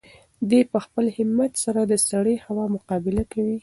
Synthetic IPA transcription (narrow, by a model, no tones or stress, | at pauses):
d̪epəxpəlhɪmat̪saɾad̪əsaɽəjhawɑmʊqɑbɪlakawi